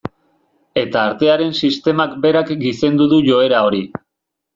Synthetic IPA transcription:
e̞t̪aːɾt̪e̞aɾe̞nsist̪e̞makbe̞ɾakɡise̞nd̪uðuʝo̞e̞ɾao̞ɾi

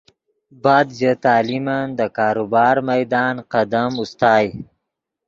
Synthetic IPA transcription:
bɑːd̪zet̪ɑːlimand̪əkɑːɾubɑːɾmajd̪ɑːnqad̪amust̪ɑːj

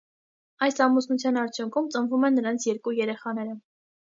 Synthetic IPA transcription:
ɑjsɑmusnut͡sʰjɑnɑɾt͡sʰjuŋkʰumt͡sənvumɛnːəɾɑnt͡sʰjɛɾkujɛɾɛχɑnɛɾə

